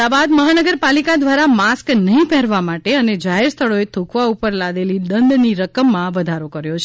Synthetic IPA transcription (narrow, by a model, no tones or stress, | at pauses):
abad̪məɦanəɡəɾpalikad̪ʋaɾamasknəɦĩpɛɾʋamaʈeəned͡ʒaɦeɾst̪ʰəɭoet̪ʰukʰʋaupəɾlad̪eliɗ̪ənd̪niɾəkəmːãʋəd̪ʱaɾokəɾjot͡ʃʰ